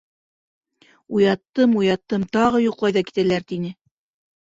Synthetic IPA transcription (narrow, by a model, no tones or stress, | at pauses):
ujɑt̪ːɤmujɑt̪ːɤmt̪ɑʁɤjuqlˠɑjðɑki̥t̪ælæɾt̪inɘ